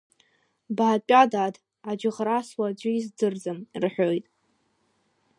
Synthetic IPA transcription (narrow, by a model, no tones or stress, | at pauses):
bʕapʼadad | ad͡ʒɪʁraswad͡ʒʷʊizd͡zɨrd͡zɨmirħʷᶣojtʼ